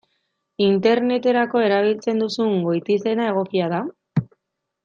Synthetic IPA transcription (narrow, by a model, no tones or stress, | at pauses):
int̪e̞ɾne̞t̪e̞ɾako̞e̞ɾaβ̞ilt͡se̞nd̪usuŋɡojt̪ise̞nae̞ɣ̞o̞kiað̞a